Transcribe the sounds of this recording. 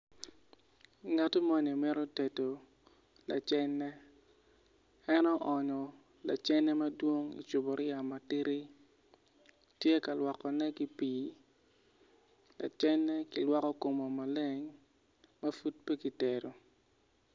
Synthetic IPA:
ŋa˨to˦mɔ˦ni˨mɛ˦ɾɔ˦te˨to˨ | la̰˨t͡ʃɛ˦nːɛ˦ | ɛ˦nɔ˦ʔɔ˨ɲɔ˨ | la̰˨t͡ʃɛ˦nːɛ˦ma˦dwo˦ŋḭ˨t͡ʃʊ˨bo˨ɾɪ˦ja˨ma˨ti˦ɾi˦ | tje˦ka˨lwa˨kɔ˨nɛ˦ki˦piː˨ | la̰˨t͡ʃɛ˦nːɛ˦ki˨lwɔ˦kɔ˦ko˨mo˨ma˨le˦ŋ | ma˦fu˦t̚pe˦ki˨te˨ɾo˨

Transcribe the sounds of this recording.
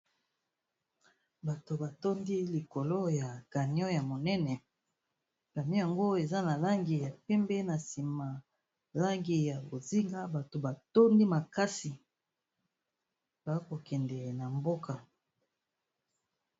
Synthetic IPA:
ba˨to˨ba˨to˦ndi˦li˨ko˨lo˦ja˨ɡ̥a˨ni˦ɔ˦ja˨mo˨nɛ˦nɛ˨ | b̥a˨mi˦ja˨ŋɡo˦e˨za˦na˨la˦ŋɡi˨ja˨pɛ˦mbɛ˦na˨si˨ma˨ | la˦ŋɡi˨ja˨bo˨zi˦ŋɡa˦ba˨to˨ba˨to˦ndi˦ma˨ka˦si˨ | b̥a˨˦ko˨kɛ˨ndɛ˨na˨mbo˦ka˨

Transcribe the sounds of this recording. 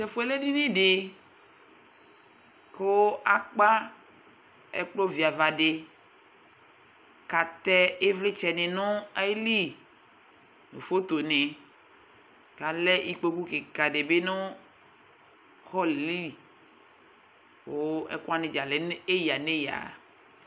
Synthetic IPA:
t͡ʃɛ˨fo˦e˨le˦di˦nẽ˦ɖe˨ | ko˦ʔa˦k͡pa˦ | ɛ̰˦k͡plo˦vi˨a˨va˨ɖe˨ | ka˨t̪ɛ˦e˦vle˦t͡ʃɛ˨nẽ˨nɔ̃˦a˦li˦ | nṵ̃˨fo˦t̪o˨nẽ˨ | ka˨lɛ˦ʔi˦k͡po˦ku˦ke˨ka˨ɖe˨be˦nõ˦ | xɔ˦le˨li˦˨ | ko˦ɛ̰˦kɔ˦a˦nẽ˨d͡ʒa˨le˨˦e˦ja˨nẽ˦ja̰˨

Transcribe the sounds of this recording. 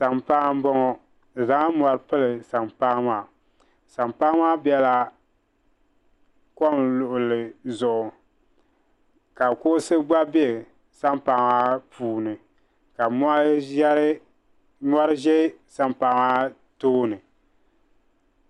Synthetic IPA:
sa˨mpa˦m˦bɔ˦ŋɔ˦˨ | za˨˦ŋ˦ma˨ɾɨ˦pɨ˦lɨ˨sa˨mpaː˦maː˦˨ | sa˨mpa˦maː˦bɛ˦la˦ | kɔ˦mlʊ˨ʔʊ˨lɨ˨zʊ˨ʔʊ˨ | ka˨kʊ˦sɨ˦ɡ͡ba˦be˦˨ | sa˦mpa˨ŋa˦pʰuː˨nɨ˨ | ka˨mɔ˦a˦ʒɛ˦ɾɨ˦ | nɔ˦ɾɨ˦ʒɛ˦sa˦mpa˨ma˦ | toː˦nɨ˨

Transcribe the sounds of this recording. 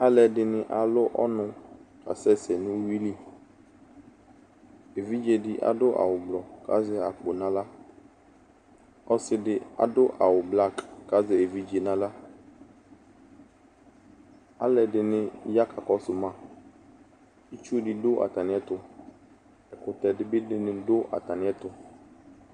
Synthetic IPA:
a˦lɛ˨dɪ˨nɪ̃˦ʔa˨lʊ˦ʔɔ̰˦nʊ̃˨ka̰˨sɛ˦sɛ˨nʊ̃˦wi˦li˦ | e˨vi˦d͡ʒe˦˨dɪ˦ʔa̰˨dʊ˦ʔa̰˨wʊ˨ɡ͡blɔ˨ka̰˦zɪ˦a̰˨k͡po˨nã˨la˦ | ɔ˦sɪ˦dɪ˨a̰˨dʊ˦ʔa˨wʊ˨bla˦˨kːa˦zɪ˨e˨vi˦d͡ʒe˨nã˨la˦ | a̰˦lɛ˨dɪ˨nɪ̃˦ja˦ka˨kɔ˦sʊ˨mã˨ | i˦t͡ʃu˦dɪ˨dʊ˦ʔa̰˨t̪a˨nɪ̃˨˦ɛ˦t̪ʊ˨ | ɛ˨kʊ˨tɛ˨dɪ˦bɪ˦dɪ˦nɪ̃˨dʊ˦ʔa̰˨ta˨nɪ̃˨˦ɛ˦tʊ˨

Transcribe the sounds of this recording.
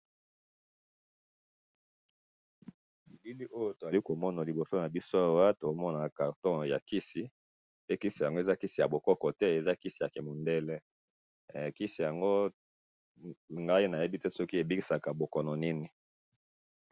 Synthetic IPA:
i˨bi˦li˦ʔo˦jo˦to˨za˨li˦ko˨mɔ˦na˨li˨bo˨so˦na˨bi˦so˦a˦wa˦to˨˦mɔ˦na˨ka˨ʁtɔ̃˦ja˨ki˦si˨ | pe˦ki˦si˨ja˨ŋɡo˦e˨za˦ki˦si˨ja̰˨bo˨kɔ˦kɔ˨tɛ˦e˨za˦ki˦si˨ja˨ke˨mo˨ndɛ˦lɛ˦˨ | ki˦si˨ja˨ŋɡo˦ | ŋɡa˦i˦na˨je˦bi˦tɛ˦sɔ˦ki˦e˨bi˦ki˨sa˨ka˨bo˨kɔ˨nɔ˨ni˦ni˨

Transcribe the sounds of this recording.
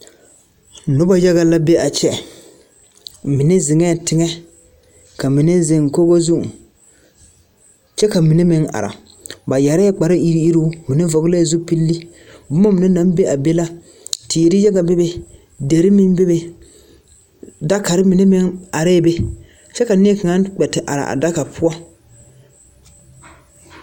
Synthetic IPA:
nʊ˦ba˦ja˦ɣa˦la˦be˦a˨t͡ʃɛ˦ | mɪ˨nɛ˦zɪ˨ŋɛː˦˨tɪ˦ŋɛ˦ | ka˨mɪ˨ne˦zɪ˨ŋ˨ko˦ɡo˦zu˦ʔ | t͡ʃɛ˦ka˨mi˨ne˦mɪ˨˦ŋa̰˨ɾa̰˨ | ba˨ja˨ɾɛ˦k͡pa˨ɾɪ˦i˦ɾi˦i˦ɾu˦mɪ˨nɛ˦vɔ˨ɡlɛ˦˨zʊ˦pi˦lːi˦ | bʊ˦ma˦mɪ˨ne˦na˦m˦be˦ʔa˨be˦la˦ | tɪ˨ɾɪ˦jɛ˦ɡa˨be˦be˦ | de˨ɾɪ˦mɪ˦n˦be˦be˨ | da˦ka˨ɾɪ˦mi˨ne˦mɪ˦ŋa˨ɾɛ˦be˦ | t͡ʃɛ˦ka˨nɪ˦ɛ˦ka˨ŋa˦k͡pɛ˨tɪ˨ʔa̰˨ɾa̰˨ʔa̰˨da˦ka˨pʰʊ˦ɔ˦

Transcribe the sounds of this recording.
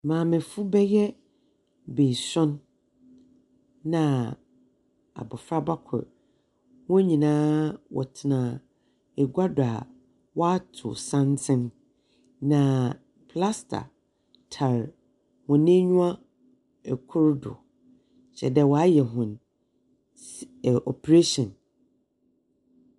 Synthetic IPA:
mãː˨mɪ̃˨fʊ˦bɛ˦jɛ˦ | be˨sʊ̃˦n | ã˨ | a̰˨bɔ˨fɾa˦ba˦kʰʊ̰˨ɾ | wʊ̃˦ɲĩ˨nãː˦wʔɔ̰˨tʰɪ˨nã˨ | ɛ˨ɡʷa˦dʊ˨a˨ | wɔ˦a˦tʰʊ̰˨sã˦ntʰɪ̃˦nː | ã˨ | pʰla˦stʰa̰˨ | tʰa˨ɾ | hʊ̃˨nɪ̃˦ɲũ˦ã˦ | ɛ˨kʰʊ˦ɾdʊ̰˨ | ɕɛ̰˨dɛ˨wɔ˨a˦jɛ˨ɦʊ̃˨n˨ | ʔɔ˨pʰe˨ɾe˦ʃɔ̃˨n

